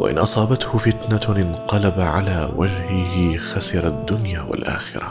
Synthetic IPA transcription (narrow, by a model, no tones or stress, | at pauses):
wa̰ʔɪ̰nʔɑsˤɑːbat̪hʊfɪt̪naɪnqɑlabaʕalaːwad͡ʒhɪhɪxasɪɾˤad̪ːʊnjaːwa̰lʔa̰ːxɪ̰ɾa